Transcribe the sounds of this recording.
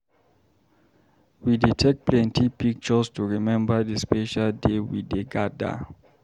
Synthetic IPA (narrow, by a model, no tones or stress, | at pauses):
widitʰɛk̚t̚pʰlɛ̃ntʰipik̚t͡ʃɔstuɹimɛ̃mbadispeʃaldewḭdeɡada̰